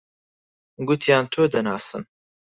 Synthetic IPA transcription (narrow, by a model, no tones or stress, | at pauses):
ɡut̪ʰjɑːnt̪ʰoːd̪ɐnɑːsɨ̰n